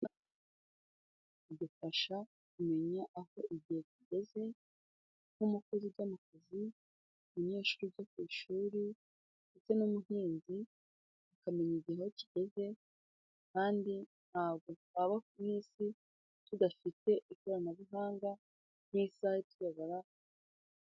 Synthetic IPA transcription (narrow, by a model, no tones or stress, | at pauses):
udufaʃa | kume̞ɲaʔaho̞ʔiɟihe̞ciɟe̞ze̞ | n̥umukoziɾɟamakozi | muɲe̞ːʃuɾuɟokwiːʃuːɾi | fite̞nuːmuhiːnzi | akame̞ɲiɟihahociɟ̥e̞ze̞ | kaːndi | n̥haːbɡo̞twaβak̚umiːsi | tudafite̞ʔiko̞ɾanaβiɦaːŋɡa | n̥isahetuβaβaɾa